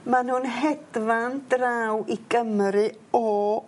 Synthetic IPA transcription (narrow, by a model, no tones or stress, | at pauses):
manhunɦɛd̥vandraːwiɡəmɾɨ | ɔ